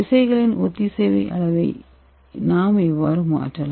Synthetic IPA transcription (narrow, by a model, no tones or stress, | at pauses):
ɪsɐɪɣɐɭɪnʔɔt̪ːɪseːʋɐɪʔɐ̰ɭɐʋɐɪ | naːmɛʋːaːɾɯma̰ːʈrɐla